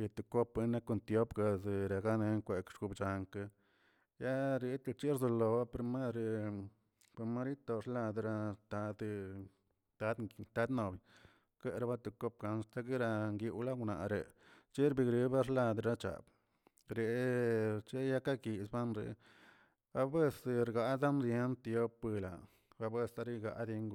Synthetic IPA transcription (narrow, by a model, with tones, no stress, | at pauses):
ji˧t̪u˨ko˦pe˧˦na˦ko˧nt̪jo˦pɡa˧ze˨ɾe˨ɡa˦ne˧ŋkʷe˨kʃɡu˧bt͡ʃa˨ŋka˧ | ja˦ɾi˧t̪t͡ʃi˦ɾzo˧lo˨ba˦pe˨ɾma˦ɾe˨ | pe˧ɾma˦ɾi˦t̪o˧ɾla˧d̪ɾa˧t̪a˧˦d̪ | t̪a˧˦d̪nt̪a˧˦d̪no˨bj | ke˦ʔɾa˧˦ba˦t̪u˨ko˦p̚ka˧nst̪a˦ɡi˦ɾa˧ŋɡi˧wla˦ɡna̰˨ʔɾḛ˨ | t͡ʃi˦ɾbi˧ɡɾi˦ba˦ɾla˧d̪ɾa˦t͡ʃa̰˨b | ɾe˨ | t͡ʃe˦ja˦ka˦ki˨sba˦nɾḛ˧ | a˦bwe˦sɾɡa˨d̪a˦nɾje˧˦nt̪jo˦pɨ˧la˨ | a˧bwe˦˧sa˧ɾi˦ɡa̰˧ʔd̪e˧ŋɡu˧